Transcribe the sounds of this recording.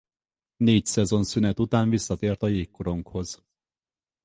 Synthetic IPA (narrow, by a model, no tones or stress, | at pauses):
neːcsɛzo̞nsynɛt̪ut̪aːɱvisːɒt̪eːrt̪ɒjeːkːoɾo̞ŋkho̞z̥